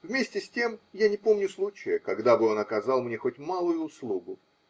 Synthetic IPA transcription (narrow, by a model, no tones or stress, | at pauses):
vmʲesʲtʲɪsʲtʲe̞mjanʲɪpo̞mnʲʊslˠut͡ɕɪjəkɐɡd̪abɨo̞nɐkɐzalˠmnʲe̞xo̞tʲmalˠʊjʊːslˠuɡʊ